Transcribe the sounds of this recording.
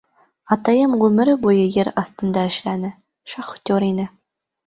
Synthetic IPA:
ɑt̪ɑjɤmʁʉmɘ̆ɾɘbujɤjɘɾɑθt̪ɤ̆nd̪ɑɘ̆ʃlænɘ | ʃɑχt̪ʲoɾinɘ

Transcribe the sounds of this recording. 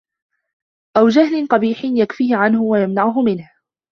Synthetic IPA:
ʔawd͡ʒahlɪnqɑbiːħɪnjakfiːhɪʕanhʊwajamnaʕʊɦʊmɪnh

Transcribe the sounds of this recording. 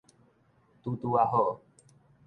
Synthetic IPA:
t̪ut̪uaɦoʔ

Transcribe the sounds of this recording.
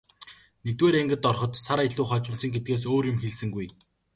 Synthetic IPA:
nek̚t̪weːɾeŋɡɘ̆t̪ːɔrχɞ̆t̪saɾeɮuːχɔt͡ɕɪ̆m̥t͡sə̆ŋɡet̪̚ɡeːs̬oːrjʊmxeɮsɘ̆ŋɡuj

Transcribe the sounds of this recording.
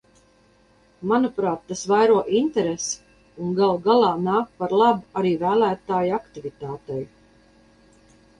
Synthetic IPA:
manupɾaːt̪ːasvajɾuɔʔint̪ɛɾes | unɡalˠɡalˠɑːnaːk̚paɾlˠabuaɾiːvæːlæːt̪aːjakt̪ivit̪aːt̪ɛj

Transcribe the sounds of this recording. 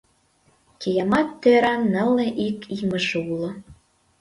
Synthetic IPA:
kejɑmɑt̪ːøɾɑnːə̆lːeʔikimə̆ʒeulŏ

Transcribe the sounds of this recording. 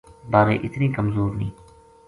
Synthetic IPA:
baːɾeːʔɪt̪niːkɐmzoːɾnĩː

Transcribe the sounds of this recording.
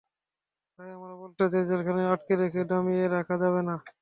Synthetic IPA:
t̪ajamaɾbɔlʈad͡ʑed͡ʑelkʰaneaʈkeɾekʰeɖɔmieɾakʰad͡ʑaβena

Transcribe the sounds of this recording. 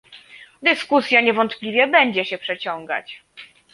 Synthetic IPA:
d̪ɘskusʲjaɲɛvɔnt̪plʲivʲjɛbɛɲd͡ʑɛɕɛpʂɛt͡ɕɔŋɡa̰t͡ɕ

